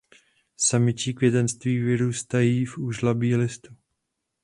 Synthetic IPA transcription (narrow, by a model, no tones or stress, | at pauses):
samɪt͡ʃiːkvjɛt̪ɛnst̪viːvɪɾuːst̪ajiːfuʒlabiːlɪst̪u